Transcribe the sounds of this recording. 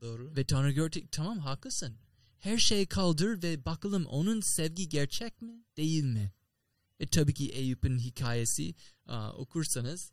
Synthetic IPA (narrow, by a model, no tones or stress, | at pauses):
d̪̥oːɾvɛt̪ʰanaɡoɾt̪ʰic̚t̪ʰamamɦaːkʰɯsɯn | hæɾʃejkʰalˠd̪ɯɾvɛbakʰɯlˠɯmʔo̞̰nunsɛvɟiɟɛɾt͡ʃʰɛc̚mid̪̥e̞jilʲmɪ | vɛt̪ʰabiːcʰiʔejypɯnɦicʰaːjesḭo̞̰kʰuɾsanɯz̥